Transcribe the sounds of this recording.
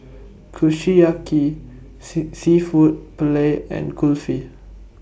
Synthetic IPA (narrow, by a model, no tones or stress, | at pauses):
kʰuʃiaki | sifut̚pleɛ̰̃nkʰulfi